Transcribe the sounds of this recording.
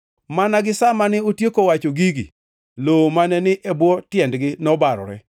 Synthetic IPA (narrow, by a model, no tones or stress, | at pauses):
manaɡɪsamanɪotjekowat͡ʃoɡiɡḭ | lomanɛnɪʔebwɔtjɛndɡɪnɔbaɾɔ̰ɾɛ̰